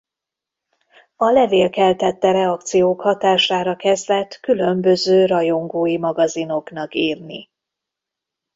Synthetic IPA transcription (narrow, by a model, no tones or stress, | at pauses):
ɒlɛveːlkɛlt̪ɛt̪ːɛɾɛɒk̚t̪sijoːkhɒt̪aːʃaːɾɒkɛzlɛt̪kylø̞mbø̞zøːɾɒjo̞ŋɡoːjimɒɡɒzino̞knɒkiːrni